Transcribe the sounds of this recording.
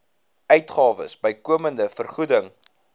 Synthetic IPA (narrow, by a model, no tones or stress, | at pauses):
œɥtχɑːvə̰sbəjkuəməndəfərχudəŋ